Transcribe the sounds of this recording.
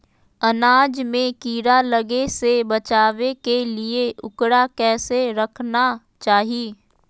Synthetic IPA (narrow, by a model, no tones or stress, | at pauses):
ɐnaːd͡ʒmẽkiːɾaləɡesebət͡ʃaːʋekelieʊkɽakɛːseɾɐkʰna | t͡ʃaːɦiieː